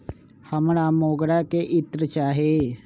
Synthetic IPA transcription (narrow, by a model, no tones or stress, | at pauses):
həmɽaːmoːɡɽakeʔɪt̪ɾət͡ʃaːɦe